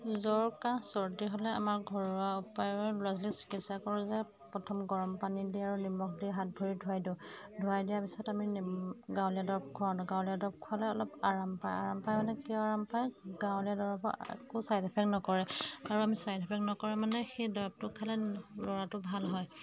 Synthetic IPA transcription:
zɔɹkãsɔɹdiɦɔlɛa̰maɹɡʱɔɹaupajɔɛlazlisi̥kitsakɔɹuzɛ | pɹɔtʰɔmɡɔɹɔmpanidiaɹunimɔk̚ʰdiɦat̚bʱɔɹidʱuajdʊ̃dʱuajdijapisɔtaminɡãwlijadɔɹb̚kʰɔadɡãwlijadɔb̚kʰualɛɔlɔpaɹampa̰ja̰ɹampajmanɛkiɔaɹampajɡãwlijadɔɹabɔ̰ɛ̰kusajdipʰɛk̚nɔkɔɹɛaɹuamisajdipʰɛknɔkɔɹɛmanɛxejdɔɹb̚tʊkʰalɛlɔɹatʊbʱalɦɔj

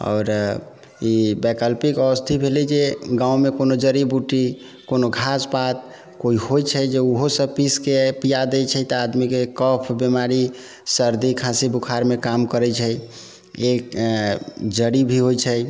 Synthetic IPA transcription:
ɔ̰ːɾ | ibɛkəlpikəwəst̪ʰibʱelid͡ʒeɡãũmekonod͡ʒəɾibuʈi | konoɡʱaspat̪̚ | koiɦojt͡ʃʰəd͡ʒeuɦosəpiskepijad̪et͡ʃʰɛt̪əad̪mikekəpʰbimaɾi | səɾd̪ikʰãsibukʰaɾmekamkəɾɛt͡ʃʰəj | ek | d͡ʒəɾibʱiɦojt͡ʃʰəj

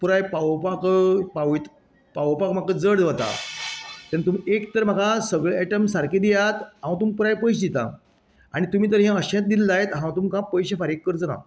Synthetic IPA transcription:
puɾajpawpakəpaʋit̪ | paʋpakm̤akəd͡zəɽʋət̪a̰ | t̪ɛnt̪umekt̪əɾm̤akasəɡɭɛʈəmsaɾkid̪ijat̪ɦãw̃t̪umpuɾajpəjɕd̪it̪a̰ | aɽ̃it̪um̤iːt̪̬əɾɦɛ̃əɕẽt̪̚d̪ilːajet̪ɦãw̃t̪umkãpəjɕefaɾekːəɾt͡səna̰

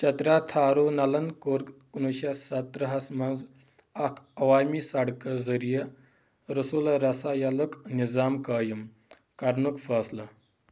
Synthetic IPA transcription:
t͡ʃɐt̪ɾat̪ʰaːɾunɐlɐnkoːɾkkunuʃɐsɐt̪ɾɐɦɐsmɐnz | ɐkʰɐʋaːmisɐɽkɐzɐɾijɐ | ɾɐsulɐɾɐsajɐluknizaːmkaːjɐm | kɐɾnukfɐːslɐ

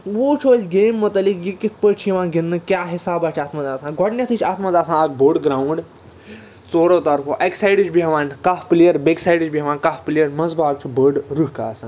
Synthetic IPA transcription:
ʋuːt͡ʃʰoːt͡ʃɡeːmːɐt̪ɐlikjikit̪ʰpəːt͡ʃʰiiʋãːnɡinːɨkjaːɦisaːbaːt͡ʃʰaːt̪mɐzaːsãːɡʱɔʈnʲɐt̪ʰɨt͡ʃʰaːt̪mɐzaːsãːɐk̚boːɖɡɾaːuɳɖ | t͡soːɾoːt̪ɐɾkʰoːʔeksajɖɨt͡ʃʰbiɦɐʋaːnkafplijɐɾbeːksajɖɨt͡ʃbiɦɐʋaːnkaːfplijɐɾmɐzbaːɡ̚t͡ʃʰibəːɖɾuɦka̰ːsãːn

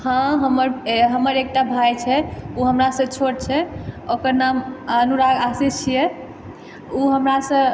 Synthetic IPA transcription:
hãɦəməɾɦəməɾek̚ʈabʱajt͡ʃʰɛuɦəmɾasə̃t͡ʃʰoɽt͡ʃʰɛokəɾnamənuɾaɡasist͡ʃʰijɛ | uɦəmɾasə̃

